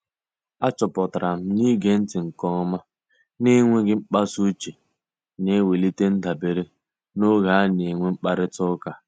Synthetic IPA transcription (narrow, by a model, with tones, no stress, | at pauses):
a˦t͡ʃɔ˨pɔ˨ta˨ɾa˨m̩˦ni˦ɡe˦n̩˦tɪ˨ŋ̩˨kɔ˦ma˦ | ne˦ŋʷe˦ɡɪ˦ŋ͡m̩˦k͡pa˦su˦t͡ʃe˨ | ne˦we˨li˦te˦n̩˦da˨be˨ɾe˦ | no˦ɣa˨˦ne˨ŋʷe˦ŋ͡m̩˦k͡pa˦ɾɪ˦tʊ˦ka˨